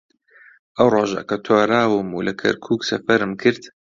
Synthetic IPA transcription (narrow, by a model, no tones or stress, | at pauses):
ʔawɾˤɑːʒa̰ʔkat̪ʰaːɾaːwmulakʰɐ̰ɾkʰuːksɐ̰fɐɾmkʰɨɾt̪